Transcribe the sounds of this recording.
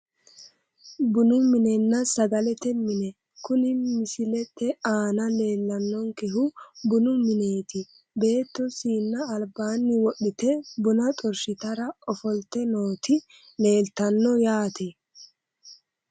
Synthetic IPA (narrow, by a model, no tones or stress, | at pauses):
bʊnʊmɪnɛnːɐsɐɡɐlɛt̪ɛmɪnɛ | kʊnɪmɪsɪlɛt̪ːɛaːnɐle̞ːlːɐnːɔŋkɛɦʊbʊnʊmɪneːt̪ɪ | be̞ːt̪ːɔsiːnːɐːlbaːnːɪwɔɗɪt̪ɛbʊnɐt̪ʼɔɾʃɪt̪ɐɾɐɔfɔlt̪ːɛno̞ːt̪ɪ | le̞ːlt̪ɐnːɔjaːt̪ʰɛ